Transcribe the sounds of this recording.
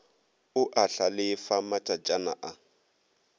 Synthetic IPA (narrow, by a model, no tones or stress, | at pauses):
ʊʔaɬalɪfamatʼad͡ʒanaʔa